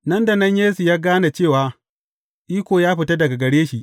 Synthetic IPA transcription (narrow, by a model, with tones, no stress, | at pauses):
nɐ˦nda˨nɐ˦ɲjeː˦su˨jaː˦ɡaː˦na˨t͡ʃeː˦˨waː˦ | ʔiː˦kʷoː˨jaː˦ɸɪ˨ta˦dɐ˨ɡa˨ɡɐ˨ɽeː˦ʃi˨ʔ